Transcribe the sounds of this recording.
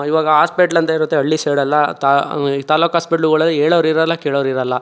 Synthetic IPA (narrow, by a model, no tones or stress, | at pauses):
iʋaːɡɐɦaːspeʈɐlɐnt̪ɐiɾut̪ːeɐɭːiseːɽɐlːɐt̪at̪aːloːkɦaːspeʈɐluɡɐɭɐlːieːɭoʋɐɾiɾɐlːɐkeːɭoʋɐɾiɾɐlːɐ